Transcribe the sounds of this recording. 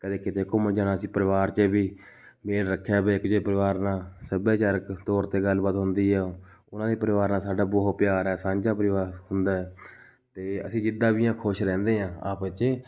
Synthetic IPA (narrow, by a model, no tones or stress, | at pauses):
kəd̪eːkɪt̪eːkoːməd͡ʒaːnaːəsĩːpəɾɪʋaːɾt͡ʃbiː | meːlɾəkʰːjaːbeːɪkd͡ʒeːpəɾɪʋaːɾnãːsəbaːt͡ʃaːɾəkt̪ɔːɾt̪eːɡəlbaːt̪ɦʊnd̪iːɦɛːʊnãːd̪iːpəɾɪʋaːɾnãːsaːɖaːboɦopjaːɾɛːsãːɲd͡ʒaːpəɾɪʋaːɾhʊnd̪aːɦɛː | t̪eːə̰sĩːd͡ʒɪd̪aːbɪjãːkʰʊʃɾɛ̃ːnd̪eːɦãːa̰ːpːt͡ʃ